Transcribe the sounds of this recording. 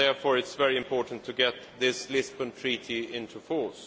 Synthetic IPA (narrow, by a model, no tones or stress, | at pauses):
ɛɹfɔːɹɨtsvɛɹiɨ̃mpʰɔːɹʔn̩tʰːɨɡɛt̪̚ðɪslɪsbə̃ntʰɹ̥iɾiɪ̃ntʰufɔɹs